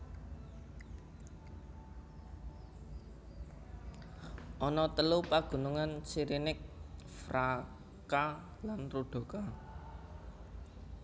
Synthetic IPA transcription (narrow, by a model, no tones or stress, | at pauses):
ʔɔnɔt̪əlupaɡ̥ṳnuŋant͡ʃiɾinɪk̚ | fɾa | ka | lanruɖ̪̥o̤ka